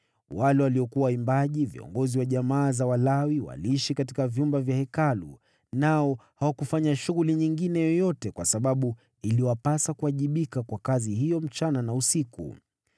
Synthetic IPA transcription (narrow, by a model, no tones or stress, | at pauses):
walɛwaliɔkuwawaimbaʄivḭɔ̰ŋɡɔziwaʄamaːzawalawiwa̰liiʃikatikavjumbavjahɛkalṵ | naɔhawakufaɲaʃuɣuliɲiŋɡinɛjɔjɔtɛkwasaɓaɓu | iliwapasakuaʄiɓikakwakazihijɔm̩t͡ʃananausikṵ